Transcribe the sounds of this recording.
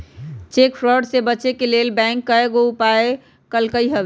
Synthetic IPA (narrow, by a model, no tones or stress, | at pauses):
t͡ʃeːkfʰɾəɾɖsebət͡ʃekeleːlbɛ̃ːŋkːəeɡoupae | kəlkəiɦəbe